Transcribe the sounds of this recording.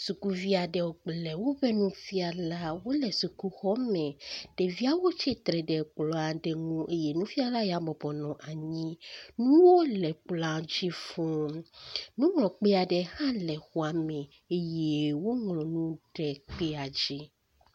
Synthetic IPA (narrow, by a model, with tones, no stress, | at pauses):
su˨ku˦vi˦a˨ɖɛ˨wo˨ɡ͡blɛ˨wo˦bɛ˦nũ˦fi˦a˨la˦wo˦lɛ˨su˨ku˦xɔ˦mɛ̃˨ɖ̥e˨vi˦a˦wo˦t͡ʃɛ˦t̪ɾɛ˨ɖɛ˨k͡plɔ˨˦a˨ɖe˨ŋũ˦ʔe˦je˦˨nũ˦fi˦a˦˨la˦ja˨bɔ˨bɔ˨nɔ̃˨ʔa˨ɲĩ˦nũ˦wo˦lɛ˨k͡pla˨d͡ʑi˦fɔ̃˦ | nũ˦ŋlɔ̃˨k͡pe˦a˨ɖɛ˨hã˦lɛ˨xɔ˦a˨mɛ̃˨ | e˦je˦wo˦ŋlɔ̃˨nũ˦ɖɛ˨k͡pe˦a˨d͡ʑi˦